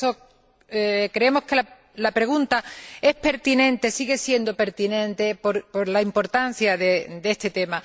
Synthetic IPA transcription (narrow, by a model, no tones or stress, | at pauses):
o | kɾeemo̞hke̞la | lapɾe̞ɣ̞unt̪ae̞hpe̞ɾt̪inẽ̞nt̪e̞siɣe̞sje̞nd̪o̞pe̞ɾt̪inẽ̞nt̪e̞poɾpoɾlaimpo̞ɾt̪an̟θjaðed̪ee̞st̪e̞t̪e̞ma